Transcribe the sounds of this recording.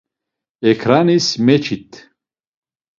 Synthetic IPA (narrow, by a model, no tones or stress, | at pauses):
ɛkʰɾanismɛt͡ʃʰit̪ʰ